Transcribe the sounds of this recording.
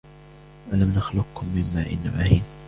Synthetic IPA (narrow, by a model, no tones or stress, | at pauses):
ʔalamnaxlʊqkʊmːɪmːaːʔɪ̰nːamaːhɪːn